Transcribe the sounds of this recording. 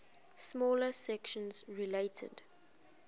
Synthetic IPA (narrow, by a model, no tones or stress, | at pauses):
smɔːləsɛkʃə̃nzɹileɪtʰə̰d